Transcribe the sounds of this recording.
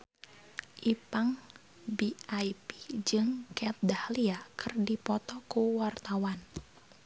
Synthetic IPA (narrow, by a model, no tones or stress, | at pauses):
ʔipaŋ | biajpi̥d͡ʒɨŋkɛt̪̚dahliakɨrdipɔt̪ɔkuwart̪awan